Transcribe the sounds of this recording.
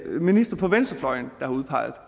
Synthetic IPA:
minisd̥ʁɐpʰɒ̽ʋensd̥ɐflɒ̽ɪ̰nd̥ɑ̈hɑ̈uðˠpʰɑ̈ɪð̩ˠ

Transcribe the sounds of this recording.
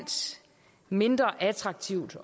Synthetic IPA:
n̰d̥ | me̝nd̥ʁɐʔæt͡sʰʁɑ̈ɡ̥̚t͡sʰiʊ̰d̥

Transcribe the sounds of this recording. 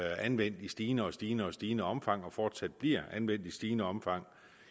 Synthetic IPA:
ænʋen̰d̥isd̥iːnəɒ̽sd̥iːnəɒ̽sd̥iːnəɒ̽mfɑ̈ŋ̰ɒ̽fɒːd̥sæd̥̚b̥liɐ̰ænʋen̰d̥isd̥iːnəɒ̽mfɑ̈ŋ̰

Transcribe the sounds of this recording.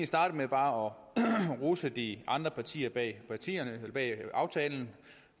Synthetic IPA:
nsd̥ɑ̈ːɾ̥əmeb̥ɑ̈ːɒ̽ʁusəd̥iʔɑ̈nd̥ʁɐpʰɑ̈t͡sʰḭːɐb̥ɛ̰ːpʰɑ̈t͡sʰḭːɐb̥ɛ̰ːɑ̈ʊt͡sʰɛːln̩

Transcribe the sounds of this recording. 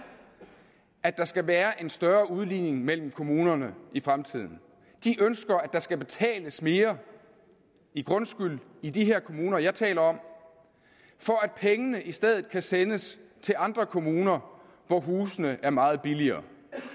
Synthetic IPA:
ʔæd̥ɑ̈sɡ̥æʋæːɐʔe̝nsd̥ɶɐuð̞ˠliːne̝ŋmel̰m̩kʰo̝muːnɐnəifʁamt͡sʰið̰ˠn̩ | d̥iʔønsɡ̥ɐæd̥ɑ̈sɡ̥æb̥e̝t͡sʰɛ̰ːləsme̝ːɐ | iɡ̥ʁɔ̽nsɡ̥yl | id̥iɦe̝ɐ̰kʰo̝muːnɐjɑ̈ɪt͡sʰɛ̰ːlɐɒ̽m̰ | fɒ̽æd̥̚pʰeŋənəʔisd̥eð̰ˠð̩ˠkʰæsenəst͡sʰe̝lɑ̈nd̥ʁɐkʰo̝muːnɐ | ʋɒɦuːsənəʔæɐmɑ̈ːð̞̩ˠb̥iliɐː

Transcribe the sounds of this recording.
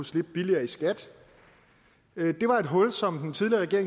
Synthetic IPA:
usle̝b̥̚b̥iliɐːisɡ̥æd̥ | d̥e̝ʋɑ̈e̝d̥ɦɔ̽lsɒ̽md̥ent͡sʰiðˠliɐʁɛɡe̝ɐeŋ

